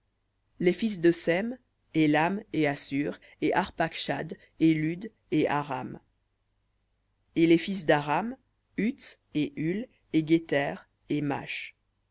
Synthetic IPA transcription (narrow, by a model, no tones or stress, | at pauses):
lefis̬d̪əsɛm | elameasyʁ | eʔaʁpakʃad̪ | elyd̪ | eʔaʁa̰m | elefis̬d̪aʁam | yt̪s | eʔyl | eɡʲet̪ɛʁ | ema̰ʃ